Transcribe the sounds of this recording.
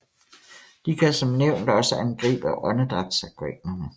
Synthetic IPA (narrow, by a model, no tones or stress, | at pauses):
d̥ikʰæsɒ̽mneʊ̰nd̥ɒ̽səʔænɡ̥ʁḭːb̥æʔɒnəd̥ʁɑd̥sækʰeɡ̥nɐnə